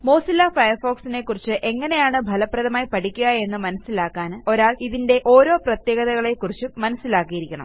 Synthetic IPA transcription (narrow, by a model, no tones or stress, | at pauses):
mo̞ːsilːafɐjɐrfo̞ːksine̞kːurit͡ɕːɨʔe̞ŋːɐne̞jaːɳɨbʱɐlɐprɐðɐmaːjipɐʈikʲːuɣɐe̞nːɨmɐnɐsːilaːkːaːno̞ɾaːɭiðinde̞ʔo̞ːɾo̞ːprɐt̪je̞ːɡɐðɐɣɐɭe̞kːurit͡ɕːɨmɐnɐsːilaːkːijiɾikʲːɐɳɐ̰m